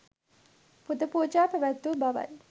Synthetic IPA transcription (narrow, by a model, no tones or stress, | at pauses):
pud̪əpuːd͡ʒaːpəʋæt̪ːubaʋa̰j